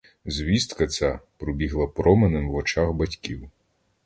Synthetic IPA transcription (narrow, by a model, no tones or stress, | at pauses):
zʲʋʲist̪kɐt͡sʲapɾɔbʲiɦlˠɐpɾɔmenemwʋɔt͡ʃɑxbɐtʲkʲiw